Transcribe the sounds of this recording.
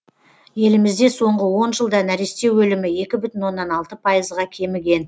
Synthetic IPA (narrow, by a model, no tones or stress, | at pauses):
je̞lɪmɪzd̪e̞so̞ɴʁəwo̞nʒəlˠd̪ɑnæɾest̪e̞wwɵlɪmɪe̞kʲɪbʏt̪ɪnwo̞nːɑnɑlˠt̪əpʰɑjəzʁɑkʲʰe̞mɪɡʲe̞n